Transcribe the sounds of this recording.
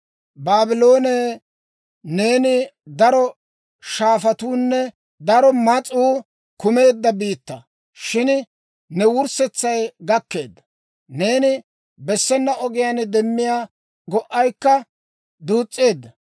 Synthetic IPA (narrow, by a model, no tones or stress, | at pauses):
baːbɪlo̞ːneː | ne̞ːnɪd̪ɐɾɔ | ʃaːfɐt̪uːnːɛ | d̪ɐɾɔmɐt͡sʼuː | kʊme̞ːd̪ːɐbiːt̪ːɐ | ʃɪn | nɛwʊɾsɛt͡sːɐjɡɐkːe̞̰ːd̪ːɐ̥ | ne̞ːnɪ | bɛsːɛnːɐʔɔɡɪjand̪ɛmːɪjaː | ɡɔʔːɐjkːɐ | d̪uːt͡sʼːe̞ːd̪ːɐ